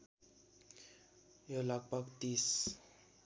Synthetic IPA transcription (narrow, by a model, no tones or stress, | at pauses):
jolʌɡ̚bʌɡt̪is